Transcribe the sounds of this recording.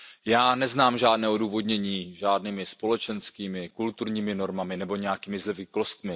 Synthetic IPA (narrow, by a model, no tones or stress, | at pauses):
jaːnɛznaːmʒaːdnɛːʔo̞duːvo̞dɲɛɲiːʒaːdniːmɪspo̞lɛt͡ʃɛnskiːmɪkult̪uɾɲiːmɪno̞ɾmamɪnɛbo̞ɲɛjakiːmɪzlɛvɪklost̪mɪ